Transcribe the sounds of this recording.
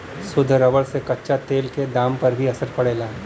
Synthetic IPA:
sʊd̪ʱɾɐʋəɽsekɐtːʃʰat̪eːlked̪ãːmpɐɾbʱiɐsəɾpɐɽeːlaː

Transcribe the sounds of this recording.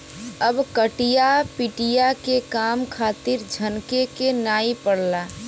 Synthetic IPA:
əbkəʈijapiʈijakekamkʰat̪iɾd͡ʒʱənkekenaipəɽla

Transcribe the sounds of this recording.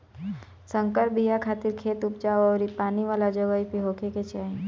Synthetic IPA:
sə̃ŋkəɾbijakʰaːt̪ɪɾkʰeːt̪ʊp̚d͡ʒaːoɔːɾipaːniʋaːlad͡ʒəʋaipiɦoːkʰeket͡ʃaːẽ

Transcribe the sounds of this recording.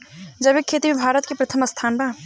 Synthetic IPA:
d͡ʒəbekʰːeːt̪imẽbʱaːɾət̪kepɾɐt̪ʰəməst̪ʰaːnba

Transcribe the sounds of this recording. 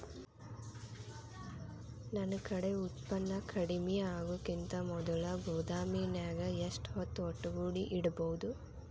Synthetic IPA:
nɐnɐkɐɽe̞ut̪pɐnːɐkʰɐɽimijɐaːɡukint̪ɐmɔd̪ɐlɐɡʱuːd̪aːmiːnjaːɡɐeʂʈɦɔt̪ːuɔʈːɐɡuːɽiʔiɽɐbɔwud̪u

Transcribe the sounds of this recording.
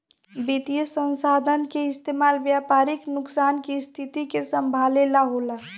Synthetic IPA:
bit̪ijəsə̃nsaːd̪ʱənkeɪst̪eːmaːlʋjaːpaːɾɪknʊksaːnkist̪ʰit̪ikesə̃mbʱaːlelaɦola

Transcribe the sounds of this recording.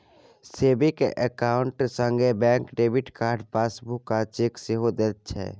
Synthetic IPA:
seːbikḛʔəkaːʊɳʈsə̃ŋɡʱebɛ̃ːŋkɖeːbiʈkaːɾɖpaːsbukːat͡ʃeːkseɦod̪et̪t͡ʃʰɛ̰ː

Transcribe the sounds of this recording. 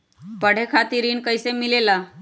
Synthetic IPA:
pəɽ̤ekʰat̪iɾiːnkəjsemilela

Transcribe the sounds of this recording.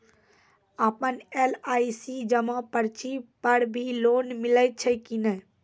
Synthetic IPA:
apənelaːisid͡ʒəmɔ̃pəɾt͡ʃipəɾbʱiloːnmɪləɪt̪̚t͡ʃʰɛkinɛ

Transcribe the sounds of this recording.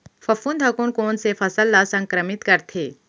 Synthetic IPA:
fɐfuːnd̪ʱɐkunkoːnsefɐsəlːasɐ̃ŋkɾəmɪt̪kɐɾt̪ʰeː

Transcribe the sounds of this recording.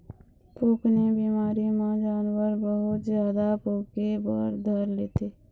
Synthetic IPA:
puːknebiːmaːɾimãd͡ʒaːnwəɾbəɦʊt̪zjaːd̪apuːkebɔ̰ːɾd̪ʱəɾleːt̪eː

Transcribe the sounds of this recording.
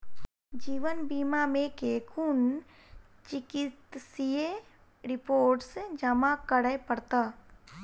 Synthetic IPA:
d͡ʒiːʋənbiːmamẽkeːkʰun | t͡ʃɪkɪt̪sije | ɾɪpoːɾʈsd͡ʒəmakəɽəepəɽt̪aː

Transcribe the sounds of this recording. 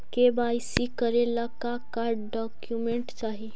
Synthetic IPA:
kebajsikəɾelakakaɾɖɖɔkjumeɳʈt͡ʃaɦi

